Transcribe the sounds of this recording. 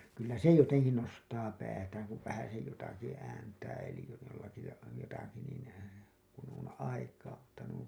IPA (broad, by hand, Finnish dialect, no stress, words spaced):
kylːæ se joteŋki nostɑː pæːtæːŋ kuʋ ʋæhæsej jotɑki æːntæː elij jolːɑki jɑ jotɑki niˑn kun on ɑikɑː mutːɑ nuiŋ